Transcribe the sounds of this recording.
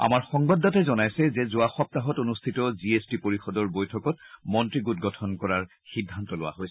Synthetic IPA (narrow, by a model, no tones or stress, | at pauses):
a̰maɹxɔŋbadɔtɛzɔnajsɛzɛzʊaxɔp̚taɦɔtonustʰitɔziestipoɹixɔdɔɹbojtʰɔkɔtmɔntɹiɡut̚ɡɔtʰɔnkɔɹaɹ | xidʱːantɔlowa̰ɦojsɛ̥